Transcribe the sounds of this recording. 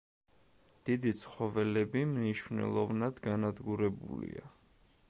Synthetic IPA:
d̪̥id̪it̪sʰχɔvɛlɛbimniʃvnɛ̰lˠɔvnad̪ɡanad̪ɡuɾɛbṵlḭa

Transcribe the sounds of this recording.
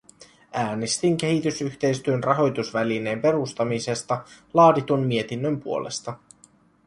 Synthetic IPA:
ʔæːnest̪iŋk̟e̞ɦit̪ysyçt̪e̞jst̪yønrʔɑɦo̞jt̪usʋæline̞ːmpe̞ɾust̪ɑmise̞st̪ɑlɑːdit̪unmie̞t̪inːømpuo̞lʔe̞̰st̪ɑ

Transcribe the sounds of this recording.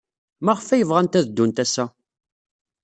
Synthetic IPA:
mæʁfæjəvʁænt̪æðd̪ːunt̪æsæ

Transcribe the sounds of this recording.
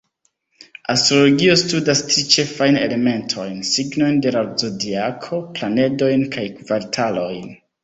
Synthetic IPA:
astɾo̞lo̞ɡio̞studastɾit͡ʃe̞fajne̞̰le̞me̞ntʰo̞jnsiɡno̞jnde̞ɾaɾd͡zodiakʰo̞plane̞do̞jnkʰajkvaɾtʰalo̞jn

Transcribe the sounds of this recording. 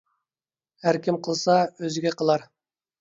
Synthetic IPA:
hæɾkʲimqʰəlˠsɑøzɪɡʲɛqʰəlˠɑɾ

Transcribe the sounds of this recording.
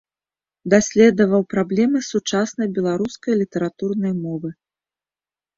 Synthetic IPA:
d̪asʲlʲɛd̪ɐvɐwpɾablʲɛmɨsut͡ʂasnɐjbʲɛlˠaɾuskɐjlʲit̪ɐɾat̪urnɐjmɔvɨ

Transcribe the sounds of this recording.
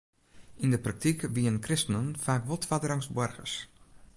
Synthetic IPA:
indəprak̚tikʋiənkrɪstənənfaːkʋɔtʋadəɾaŋsbɔrɣə̰s

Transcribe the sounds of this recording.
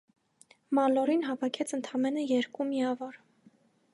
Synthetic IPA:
mɑlɔɾinɦɑvɑkʰɛt͡sʰənt̪ʰɑmɛnəjɛɾkumiɑvɔɾ

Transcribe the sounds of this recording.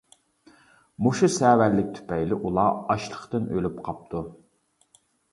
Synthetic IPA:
muʃusɛːwæɾlɪk̚ʲt̪ʰy̥pɛjlɪʔulˠɑɑʃlˠə̥χt̪ɨnølypqʰɑp̚t̪ʰu

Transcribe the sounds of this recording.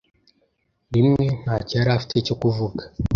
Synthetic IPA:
ɾimwen̥at͡ʃaɾaftʰet͡ʃokuvukḁ

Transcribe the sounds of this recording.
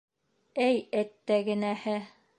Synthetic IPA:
ɘjɘt̪ːæɡɘ̆næhɘ

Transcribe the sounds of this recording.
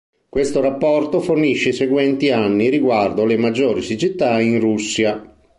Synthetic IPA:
kwest̪oɾapːɔrt̪oforniʃːeseɡwɛnt̪ianːiɾiɡward̪olemad͡ʒːoːɾisit͡ʃit̪ːainrusːja

